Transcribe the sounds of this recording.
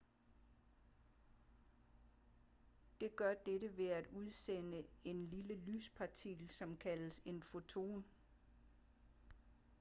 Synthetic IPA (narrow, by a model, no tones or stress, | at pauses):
d̥e̝ɡ̥ɶɐd̥edəʋe̝æd̥uð̞ˠsenəe̝nliləly̰ːspʰɑ̈t͡sʰiɡ̥l̩sɒ̽mkʰæləse̝nfo̝t͡sʰo̝̰ːn